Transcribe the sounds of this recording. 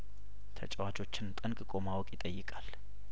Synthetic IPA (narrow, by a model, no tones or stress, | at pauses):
t̪ʰə̰t͡ʃʼɛwat͡ʃʼo̞t͡ʃːɪnt̪ʼɨnkʼkʼo̞mawɔkʼjɪt̪ʼəjːɪkʼal